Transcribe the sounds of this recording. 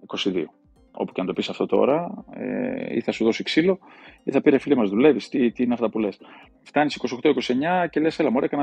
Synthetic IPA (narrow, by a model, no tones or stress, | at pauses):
iko̞siðḭo | o̞̰pu̥ceɐnt̪o̞pisɐft̪o̞t̪o̞̰ɾɐḛḭθɐsuðo̞siksilo̞iθɐpiɾefilimɐzðule̞vist̪it̪iineɐft̪t̪ɐpule̞s | ft̪ɐnisikosioxt̪oiko̞sie̞ɲɐce̞le̞selɐmoɾekɐnɐ